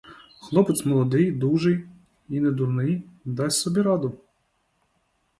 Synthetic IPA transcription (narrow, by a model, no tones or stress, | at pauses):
xlˠɔpɪt̪sʲmɔlˠɔd̪ɪjd̪uʒɪj | ined̪urnɪjd̪ɑsʲsɔbʲiɾɑd̪ʊ